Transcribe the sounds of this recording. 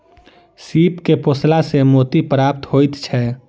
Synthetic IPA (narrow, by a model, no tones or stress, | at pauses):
sipkeposlasemot̪ipɾap̚t̪ɦojt̪t͡ʃʰɛ